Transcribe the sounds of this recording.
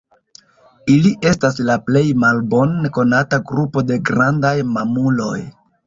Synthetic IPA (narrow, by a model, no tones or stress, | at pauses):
iliʔe̞stas̬laple̞jmalbo̞nko̞nataɡɾupo̞de̞ɡɾandajmamulo̞j